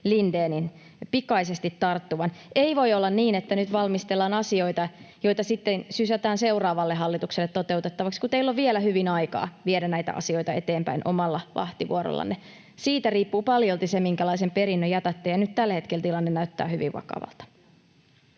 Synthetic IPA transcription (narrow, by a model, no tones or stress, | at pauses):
lindeːnin | pikɑisest̪it̪ːɑrt̪ːuʋɑneiʋo̞iolːɑnniːnet̪ːænyt̪ʋɑlmist̪elːɑːnɑsio̞it̪ɑjo̞jt̪ɑsit̪ːensysæt̪æːnse̞urɑːʋɑlːeɦɑlːit̪ukselːet̪ːot̪e̞ut̪et̪ːɑʋɑkskut̪eilːoʋʋielæhyʋinɑjkɑ̰ːʋiedænnæjt̪æ̰ʔɑ̰sio̞it̪ɑet̪eːmpæ̰inʔo̰mɑlːɑʋʔɑ̰ht̪iʋṵoɾo̰lːɑ̰nːe | siːt̪æriːpːuːpɑljolt̪isemiŋkælɑisempeɾinːøjɑt̪æt̪ːejɑnyt̪t̪ælːhe̞t̪kelt̪ilɑnːenæyt̪ːæ̰ːhyʋḭʋʋɑ̰kɑ̰ʋɑ̰lt̪ɑ̥